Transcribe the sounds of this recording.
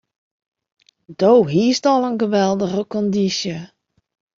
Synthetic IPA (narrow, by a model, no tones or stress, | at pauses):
d̥owɦiəstɔlˠənɣəʋɛlˠdəɣəkɔndisjə